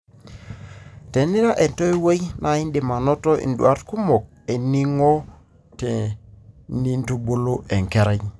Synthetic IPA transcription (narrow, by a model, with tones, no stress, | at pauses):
tɛ˨ni˦ɾa˦ʔe˨nto˦i˦we˦jnʔa˨i˦ndi˨ma˨nɔ˦tɔ˦ʔḭ˨ndwa˦ɾtku˦mɔ˨k̚ | e˨ni˦ŋo˦ | te˨ | ni˦nto˦bo˦lo˦ʔɛ˨ŋkɛ˦ɾɛ˦ɲ